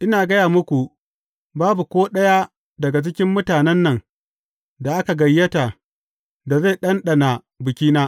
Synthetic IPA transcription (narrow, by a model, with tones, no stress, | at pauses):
ʔɪ˦naː˨ɡɐ˦jaː˨mʊ˦kʷu˨ | baː˦bu˨kʷoː˦ɗɐ˦ja˦ | dɐ˨ɡa˨t͡ʃɪ˦kʲɪ˦mːʊ˦taː˨nɛ˦nːɐ˨ŋ | da˨ʔa˦ka˨ɡɐ˨jːɐ˦ta˨ | da˨ze˦˨ɗɐ˦nɗɐ˨na˨ | bɪ˨kʲiː˦naː˦